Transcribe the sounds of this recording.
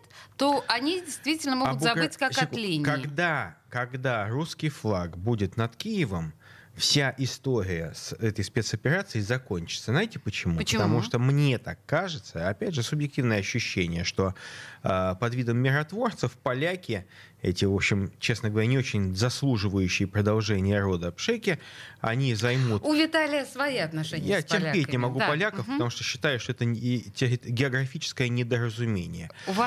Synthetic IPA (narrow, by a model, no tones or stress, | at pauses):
t̪t̪oʔɐnʲidʲɪjst̪vʲitʲɪlʲnəmoɡtb̪zɐɡbɨtʲkakɐtlʲinʲkɐɡd̪akɐɡd̪aruskʲɪjflˠaɡbudʲɪt̪nɐt̪kʲijɪvəm | fsʲaʔɪst̪o̞ɾʲɪjəsɛt̪əjspʲe̞t̪sɐpʲɪɾat̪sɨɪzɐkonʲt͡ɕɪ̥t̪səznajtʲɪpət͡ɕɪmupət̪ɐmuʂt̪omnʲe̞t̪akːaʐɨt̪səɐpʲædʲʐɨsʊbjɪk̚tʲivnəjəɐɕːʉɕːenʲɪjəʂt̪o̞əpɐd̪vʲid̪əmːʲɪɾɐt̪vo̞rt̪səfpɐlʲækʲɪ | ɛtʲɪvo̞pɕːɪmt͡ɕe̞snəɡəvɐɾʲænʲɪo̞t͡ɕɪnʲzɐslˠuʐɨvəjʉɕːɪjəpɾəd̪ɐlˠʐɛnʲɪjəɾo̞d̪əpʂɛkʲɪ | ɐ̰nʲizɐjmut̪ʊvʲɪt̪alʲɪjəsvɐjiɐt̪nɐʂɛnʲjatʲɪrpʲetʲnʲɪmɐɡuppɐlʲakəfpə̥t̪ɐmuʂt̪oɕːɪ̥t̪ajʊʂt̪oɛt̪ətʲɾʲɪɡʲɪɐɡɾɐfʲit͡ɕɪ̥skəjənʲɪd̪əɾəzʊmʲenʲɪ̰jəva